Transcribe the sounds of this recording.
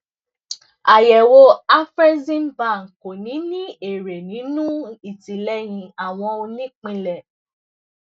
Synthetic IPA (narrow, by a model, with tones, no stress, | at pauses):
a˨jɛ˨wo˧˦a˦fɾɛ˦zĩ˦m˦ba˦˨ŋ̩˨ko˨nĩ˨˦nĩ˦e˨ɾe˨nĩ˨˦nũ˦i˦˨ti˨lɛ˦j̃ĩ˧a˨w̃ɔ̃˧o˧nĩ˦k͡pĩ˧lɛ˨